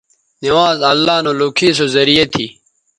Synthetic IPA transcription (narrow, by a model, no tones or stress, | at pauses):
niwaːzɐlːaːnoːloːkʰiːs̬ozɐɾijɐt̪ʰiː